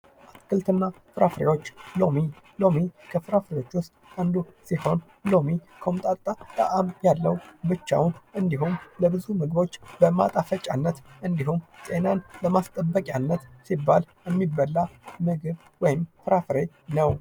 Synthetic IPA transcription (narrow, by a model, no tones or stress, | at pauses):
kɨlt̪ɨnːa | fɨɾafɾḛwo̞t͡ʃːlo̞mi | lo̞mikʰəfɨɾafɾewo̞t͡ʃːwʊst̪ʼand̪usiho̞n | lo̞mikʰomt̪ʼaat̪ʼə̰ʔamjalːəwbɨt͡ʃːa̰wnʔɨnd̪iɦumləbɨzumɨɡɨβo̞t͡ʃːbəma̰t̪ʼafət͡ʃʼanːət̪ʔɨnd̪ihumsʼe̞nanləmast̪ʼəbːəkʼjanːət̪sibːaljɛmːibːəlːamɨɡɨβ | wɔjɪmfɨɾafɨɾe̞ | nəw